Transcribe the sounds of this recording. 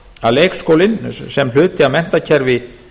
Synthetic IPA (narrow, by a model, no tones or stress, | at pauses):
aleːjkskoːwlɪnsɛml̥ʏːt̪ɪamɛn̥t̪acʰɛɾvɪ